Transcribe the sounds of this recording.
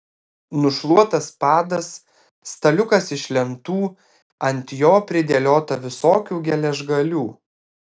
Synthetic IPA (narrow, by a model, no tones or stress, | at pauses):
nʊʃlˠuɔt̪ɐspɑːd̪ɐsː | t̪ɐlʲʊkɐsɪʃʲlʲɛnt̪uː | ɐnʲt̪ʲjoːpʲɾʲɪd̪ʲɛlʲoːt̪ɐʋʲɪsoːkʲuːɡʲɛlʲɛʒɡɐlʲuː